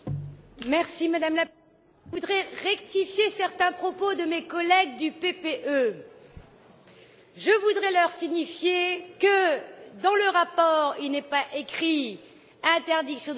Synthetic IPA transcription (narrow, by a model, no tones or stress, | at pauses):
mɛʁsimad̪amla | ud̪ʁɛʁɛkt̪ifjesɛʁt̪ɛ̃pχɔpod̪əmekɔlɛɡ̚d̪ypepeʔø | ʒəvud̪ʁɛlœʁsiɲifjekəd̪ɑ̃ləʁapɔʁilnɛpaʔekχi | ɛ̃t̪ɛʁd̪iksjɔ̃d̪